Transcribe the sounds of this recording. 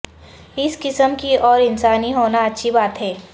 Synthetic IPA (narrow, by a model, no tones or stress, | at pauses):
ɪskɪsəmkiɔːɾɪnsaːniɦoːnaɐtːʃʰibaːt̪ɦɛː